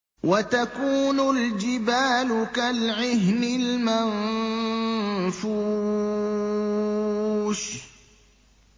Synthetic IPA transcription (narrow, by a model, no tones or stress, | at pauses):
wat̪akuːnʊld͡ʒɪbaːlʊkalʕɪɦnɪlman | fuː | ʃ